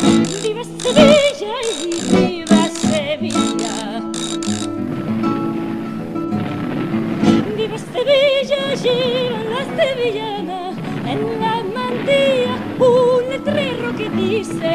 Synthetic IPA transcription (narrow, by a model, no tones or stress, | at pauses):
biβaseβiʒaiβiβaseβiʎa | biβaseβiʒaʒiβanast̪eβiʒana | enuŋamand̪ia | und̪et̪ɾiroket̪ise